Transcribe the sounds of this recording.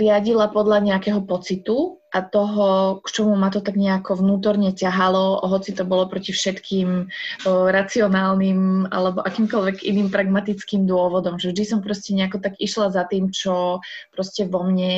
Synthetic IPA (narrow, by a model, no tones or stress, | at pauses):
ɾɪaɟilapɔd̪ʎaɲɛakɛɦɔpɔt͡sit̪u | ʔat̪ɔɦɔkt͡ʃɔmumat̪ɔt̪aɡɲɛakɔʋnuːt̪̬ɔɾɲɛcaɦalɔa̰ɦɔt͡sit̪ɔbɔlɔpɾɔcifʃɛt̪kʰiːm | ɾat͡siɔnaːlnima̰lɛbɔʔakiːmkɔʎʋɛɡḭniːmpɾaɡmat̪it͡skiːmd̪ʊɔʋɔd̪ɔmʒɛvʒd̪isɔmpɾɔscɛɲɛakɔt̪aɡiʃlazat̪iːmt͡ʃɔ | pɾɔscɛʋɔmɲɛ